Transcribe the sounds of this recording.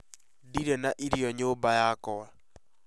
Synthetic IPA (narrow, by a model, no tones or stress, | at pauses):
diɾɛnaʔiɾiɔɲoːbajakɔwa